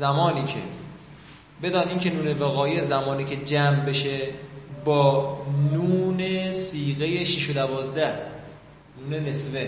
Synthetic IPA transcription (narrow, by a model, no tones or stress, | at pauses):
zæmɒːniːcʰḛ | be̞d̪ɒːniːncʰe̞nuːnevæɣɒːjezæmɒːniːcʰe̞d͡ʒæːmbeʃebɒːnuːnesiːɣejeʃiʃod̪ævɒːzd̪æ | nuːnenesve